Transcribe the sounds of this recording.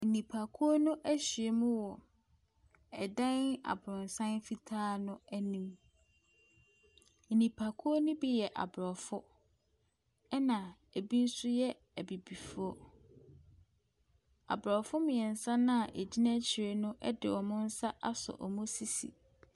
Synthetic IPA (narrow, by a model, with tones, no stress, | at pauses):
n̩˨nĩ˨pʰa˨kʰu˦o˦nʊ̃˦ʔæ˦ɕi˨e˨mũ˦wɔ˨ | ɛ˨dã˦na̰˨bɾʊ̃˨n˨sã˦nfi˦tʰaː˦nʊ̃˦æ˦nĩ˨˦m | n̩˨nĩ˨pʰa˨kʰu˦o˦nʊ̃˦bi˦jɛ˨ʔa̰˨bɾɔ˨fʊ˦ | ɛ˦nã˨ | æ˨bi˦n̩˦sʊ˦jɛ˦ | æ˨bi˨bi˨fu˦ɔ˦ | a̰˨bɾɔ˨fʊ˦mĩ˨ɛ˨n̩˨sã˦nã˦a˨ʔæ˨d͡ʑi˦nã˦t͡ɕʰɪ˨ɾe˨nʊ̃˦ʔɛ˦dɪ̰˨wɔ̃˨mʊ̃˦n̩˦sa˦ʔa˦sʊ̰˨ʔɔ˨mʊ̃˦si˨sḭ˨